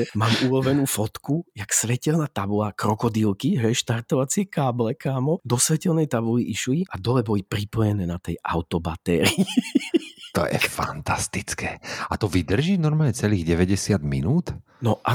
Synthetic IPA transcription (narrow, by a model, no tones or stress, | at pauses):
maːmuːlɔʋɛnuːfɔt̪kujaksʋɛcɛlnaːt̪abulakɾɔkɔd̪iːlˠkiɦɛjʃt̪aɾt̪ɔʋat͡sɪɛkaːblɛkaːmɔd̪ɔsʋɛcɛlnɛjt̪abuliʔiʃuiʔad̪ɔlɛbɔlipɾipɔjɛnɛːnat̪ɛjʔa̰ʊt̪ɔbat̪ɛːɾiː | tt̪ɔ̰jɛ̰fa̰nt̪ast̪it͡skɛːat̪ɔʋid̪r̩ʒiːnɔɾmaːlɲɛt͡sɛliːɣɟɛʋɛɟɛsɪad̪mḭnuːt̪ | nɔʔa